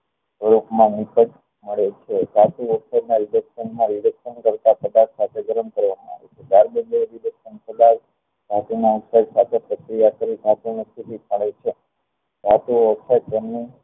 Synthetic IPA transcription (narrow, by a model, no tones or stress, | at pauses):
sʋəɾupmãnikət͡ʃ | məɭet͡ʃʰed͡ʒʱat̪uʋəksadnaɾiləksənmãɾiləksənkəɾt̪apəd̪aksat̪ʰeɡəɾəɳkəɾʋamã̰a̰ʋḛt͡ʃʰedaɾbəneɾiləkʃənpəd̪aʋ | ɡ̪ʱat̪unaut̪sajsat̪ʰepɾəkɾijakəɾiɡ̪ʱat̪unəst̪ʰipit̪̚məɭet͡ʃʰe | dʱat̪uəksajt̪ɛmni